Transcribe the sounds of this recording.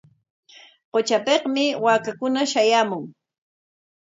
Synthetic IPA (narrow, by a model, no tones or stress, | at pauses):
qot͡ʃapeqmɪwaːkakʊnaʃajaːmʊŋ